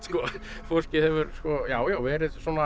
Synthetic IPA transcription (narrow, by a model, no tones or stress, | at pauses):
skɔ | forscɪhɛvʏɾskɔjaːwjawvɛːɾɪðsɔːna